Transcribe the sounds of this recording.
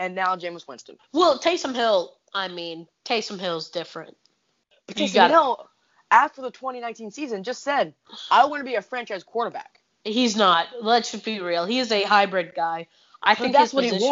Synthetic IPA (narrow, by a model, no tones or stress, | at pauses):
ɨ̃nːaʊd͡ʒẽɪ̃mswɪ̰̃nstɨ̃n̩wɛlˠtʰeɪsʌ̃mɦɪlˠ | ʔaɪmĩntʰeɪsʌ̃mɦɪlˠzdɪfɹɨ̰̃nt̚ | b̥ɨʌɨɡɑoʊ | ʔæftə˞ðətʰw̥ɛ̃ɾ̃inãɪ̃ntĩnsizɨ̃nd͡ʒʌstsɛd̚ | aɪwɑ̃nəbiɨfɹɛ̃nt͡ʃaɪz̥kʰw̥ɔɹɾə˞bæ̰k | hiznət̚lətsʃɨd̚biɹilˠhiɨzɨɦaɪbɹɪd̚ɡaɪ | ʔaɪθɪ̃ŋkðhɨz̥swʌʌizɪ